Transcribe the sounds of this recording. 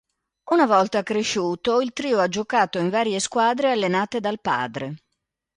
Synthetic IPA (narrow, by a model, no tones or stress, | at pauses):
unavɔlt̪akɾeʃuːt̪oilt̪ɾiːoad͡ʒokaːt̪oiɱvaːɾjeskwaːd̪ɾealːenaːt̪ed̪alpa̰ːd̪ɾe